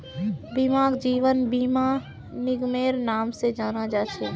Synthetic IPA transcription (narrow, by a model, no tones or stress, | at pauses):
bimãːɡd͡ʒiːʋənbiːma | nɪɡmeːɾnaːmsed͡ʒaːnad͡ʒaːt͡ʃʰeː